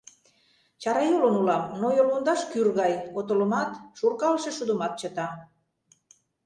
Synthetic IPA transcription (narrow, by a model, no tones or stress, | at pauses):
t͡ɕɑɾɑjolənulɑmnojolund̪ɑʃkyrɣɑjot̪olə̆mɑt̪ʃurkɑlʃĕʃud̪umɑt̪̚t͡ɕɤt̪ɑ